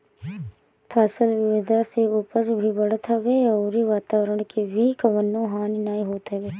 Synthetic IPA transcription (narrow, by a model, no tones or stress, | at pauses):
pʰaːsəlʋɪʋɪd̪ʱaseʊpəd͡ʒbʱibəɽt̪ʰəʋeɔːɾiʋaːt̪aːʋɾəɽ̃kebʱikɐʋənːõɦaːninaːiɦoːt̪əʋeː